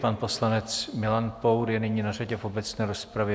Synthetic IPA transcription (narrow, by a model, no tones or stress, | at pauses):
panpo̞slanɛt͡smɪlanpowɾjɛnɪɲiːnaraɟɛfʔo̞bɛt͡snɛːɾo̞spɾavjɛ